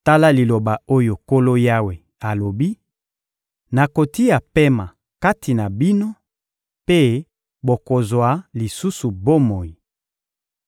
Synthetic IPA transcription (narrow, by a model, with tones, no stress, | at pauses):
ta˦la˦li˨lo˨ba˨o˦jo˨ko˦lo˦ja˦we˨ | a˨lo˨bi˦ | na˨ko˨ti˦a˨pe˦ma˨ | ka˦tʰi˨na˨bi˦no˦ | pe˦ | bo˨ko˨zwa˨li˨su˦su˨bo˦mo˨ji˨